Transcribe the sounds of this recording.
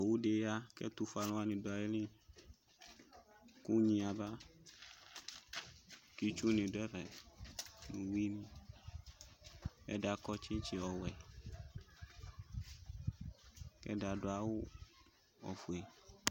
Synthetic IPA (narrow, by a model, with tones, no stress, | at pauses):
wu˦ɖe˨ja˦kɛ̰˦t̪u˨fa˨lɔ̃˦a˦nĩ˨do˨a˨je˦lĩ˦ | ku˦ɲĩ˨a˨ba˦ | ki˦t͡ʃu˦nĩ˨ɖɛ˦vɛ˨ | nũ˨wi˦nĩ˦ | ɛ̰˦ɖa˨kɔ˦t͡ʃi˦t͡ʃi˨ɔ˨wɛ˨ | kɛ̰˦ɖa˨ɖo˨a˨wʊ˦ | ɔ̰˨fu˨ɛ˨